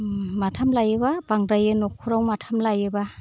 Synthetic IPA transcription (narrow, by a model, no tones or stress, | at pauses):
matʰamlajebabaŋɾajenɔkʰːuɾawmatʰamlajeba